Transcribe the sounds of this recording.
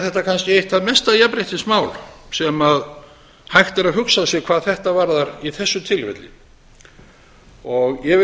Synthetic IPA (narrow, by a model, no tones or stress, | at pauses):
θɛht̪akʰanscɪejht̪ːaðmɛst̪aðjapɾejht̪ɪsmaːwlsɛmað | hajxt̪ɛɾaðɦʏksasjɛkʰv̥aːðθɛht̪avaɾðaɾiθɛsːʏt̪ʰɪlvɛ̰t̪lɪ̰ | ɔɣjɛvɪ